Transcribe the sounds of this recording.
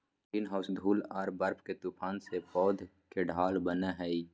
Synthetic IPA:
iːnɦaːsd̪ʱuːlaːɾbɐɾpʰket̪upʰaːnsepɔːd̪ʱ | keɖʱaːlbəneɦɛi

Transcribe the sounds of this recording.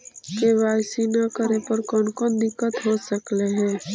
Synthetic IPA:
keʋaːksiːnakəɾepəɾkɔːnkɔːnd̪ɪkːət̪ɦoːsəkleɦɛ̃ː

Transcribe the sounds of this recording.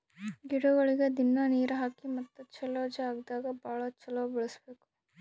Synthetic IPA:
ɡiɽuɡɐɭiɡed̪inːɐniːɾuɦaːkimɐt̪ːut͡ʃɐloːd͡ʒɐaːɡd̪aːɡɐbaːɭɐt͡ʃɐloːbɛɭɐsbeːku̥

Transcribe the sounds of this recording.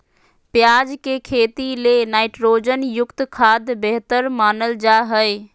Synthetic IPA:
pjad͡ʒkekʰet̪ilenaɪʈɾod͡ʒənjʊkt̪kʰad̪beɦt̪əɾmaːnəld͡ʒaɦəj

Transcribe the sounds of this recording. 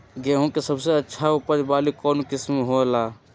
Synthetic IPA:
ɡeːɦõkesɐbseɐtːʃʰaʊpəɾbaːlikɔːnukɪsmɦolaː

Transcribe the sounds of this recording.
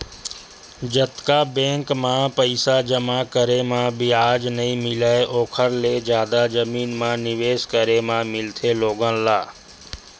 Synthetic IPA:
d͡ʒət̪kabẽːŋkmãpɐɪsad͡ʒəmakəɾemãbɪaːd͡ʒnɐɦĩmɪləeʔoːkʰəɾled͡ʒjaːd̪ad͡ʒəmiːnmãnɪʋeːskəɾemãmɪlt̪ʰeloːɡə̃nlaː

